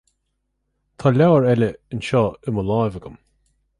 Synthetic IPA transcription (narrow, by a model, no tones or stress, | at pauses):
t̪ʰaːlawəɹɛlʲəɪnʃɔːɪməlajvəɡəm